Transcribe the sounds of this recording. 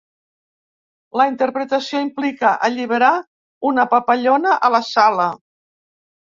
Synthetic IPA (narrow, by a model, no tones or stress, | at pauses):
ləint̪əɾpɾət̪əsioimplikəʔəʎiβəɾa | unəpəpəʎonəʔələsalə